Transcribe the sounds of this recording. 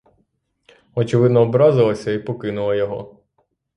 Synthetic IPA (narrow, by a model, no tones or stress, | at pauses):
ɔt͡ʃɪʋɪd̪nɔːbɾɑzɪlˠɐsʲɐipɔkɪnʊlˠɐjɔɦɔ̰